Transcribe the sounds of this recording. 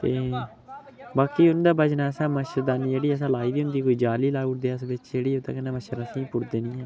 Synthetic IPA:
t̪eː | baːkiːʊnːd̪aːbəd͡ʒnaːsãːməʃəɾd̪aːniːd͡ʒeːɽiːəs̬ãːlaːiːdiːɦʊnd̪iːkoːiːd͡ʒaːliːlaːʊɽd̪eːəsbɪt͡ʃd͡ʒeːɽiːʊt̪ã̰ːkɛneːməʃəɾãsĩːpʊɽd̪eːnĩːãː

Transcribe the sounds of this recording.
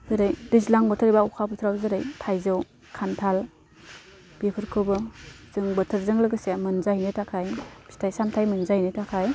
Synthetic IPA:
zɯɾɯjdizlaŋbɯtʰɯɾibaukʰapʰɯtʰɾawzɯɾɯjtʰajzɯw | kʰantʰal | b̥ipʰɯɾkʰɯbɯ | z̥ɯŋbɯtʰɯɾzɯŋlɯɡɯseamɯnzajnɯtakʰajbstʰajsamtʰajmɯnzajnɯtʰakʰaj

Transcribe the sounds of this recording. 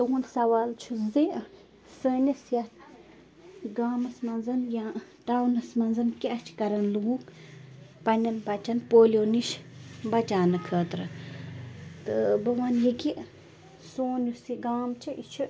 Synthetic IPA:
t̪əwunsɐwaːlt͡ʃʰuzi | səːnʲɐsjɐt̪ | ɡaːmɐsmɐnzɐnjaʈawnɐsmɐnzɐnkeʔɐt͡ʃʰkɐɾɐnluuk | pɐnʲɐnpɐt͡ʃɐnpoːlʲoːniʃbɐt͡ʃaːnɨkʰəːt̪ɾɨ | t̪ɨbɐwanjeki | soːnusiɡaːmt͡ʃʰiʔit͡ʃʰu

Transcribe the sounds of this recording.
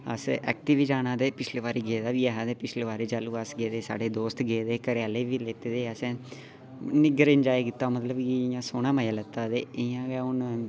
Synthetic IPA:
ə̰sɛ̰ːk̚ʈiːʋiːd͡ʒaːnãːd̪eːpɪt͡ʃʰleːʋaːɾiːɡeːd̪aːʋiːɛːɦãːd̪eːpɪt͡ʃʰleːʋaːɾeːd͡ʒaːluːəsɡeːd̪eːsa̰ːɖeːd̪oːst̪ɡeːd̪eːkəɾjaːleːʋiːleːt̪eːd̪eːəsɛ̃ː | nɪɡəɾɪnd͡ʒaːikɪt̪ːaːmət̪ləbkijãːsoːnaːmaːjaːlət̪ːaːd̪eːɪjãːɡɛːʊn

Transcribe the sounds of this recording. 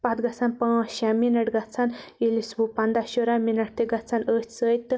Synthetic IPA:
pɐt̪ɡɐt͡sʰanpãʃaminɐʈɡɐt͡sʰanilisbupɐnd̪aʃoɾaminɐʈ̚t̪eɡɐt͡sʰanəːt̪ʲsəːjt̪ːɨ

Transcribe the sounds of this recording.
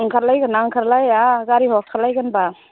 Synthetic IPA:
ŋkʰaɾlajɡanaŋkʰaɾlajaɡaɾiɦɔk̚kʰaɾlajɡanba

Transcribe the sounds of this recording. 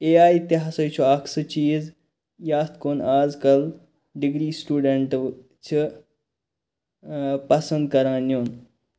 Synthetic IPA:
eːaːjt̪eɦasɐjt͡ʃʰuakʰsɨt͡ʃiːz | jaːst̪koːnaːzkɐl | ɖiɡɾiːsʈuːɖeɳʈʋ | t͡ʃʰɨ | pɐsə̃nd̪̚kɐɾãːnjoːn

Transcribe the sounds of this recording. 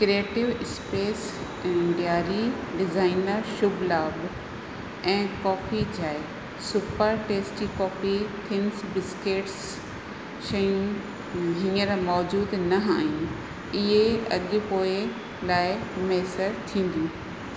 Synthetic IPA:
kɾieːʈɪʋɪspeːs | ɪ̃ɳɖijaːɾiɖɪzaːɪnəɾʃʊblaːb | ɛ̃ːkɔːfid͡ʑaːɪ | sʊpəɾʈeːsʈd͡ʑikɔːfit̪ʰɪnsbɪskeːʈs | ʃɐjũ | ɦɪɲəɾmɔːd͡ʑuːd̪nɐɦaːɦĩ | ɪɦeɐʄʊ̆poːɪ | laːɪmeːsəɾt̪ʰĩːn̆d̪jũː

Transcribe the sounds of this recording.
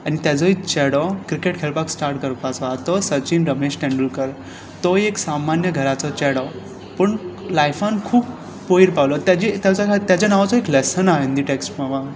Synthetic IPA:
añit̪jad͡zɔikt͡ɕɛɽɔkɾikeʈkʰeɭpaksʈaɾʈkəɾpat͡sɔat̪ɔsət͡ɕinɾəmeɕʈɛ̃ɳɖəlkəɾ | t̪ɔeksamanjəɡʱəɾat͡sɔt͡ɕɛɽɔ | pəɳlajfãnkʰuːp | poiɾpaʋlɔt̪jat͡ɕit̪jat͡sɔkt̪jat͡ɕanaʋat͡sɔeklɛsənaɦind̪iʈeksʈmaʋa

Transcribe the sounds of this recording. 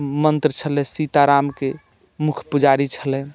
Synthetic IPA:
mənt̪ɾət͡ʃʰəlɛsit̪aɾamke | mukʰpud͡ʒaɾit͡ʃʰəlɛ̃

